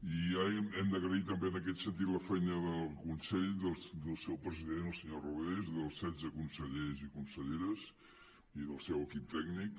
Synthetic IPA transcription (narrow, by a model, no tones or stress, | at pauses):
iamɛmd̪əɣɾəit̪əmbeənəkɛt̪sənt̪̬it̪ləfɛjnəðəlˠkunsɛʎðəlˠsd̪əlˠsɛwpɾəziðenəlˠsəɲoruβezðəlˠsːɛzəkunsəʎezikunsəʎeɾəz | iðəlˠsɛwəkip̚t̪ɛɡnik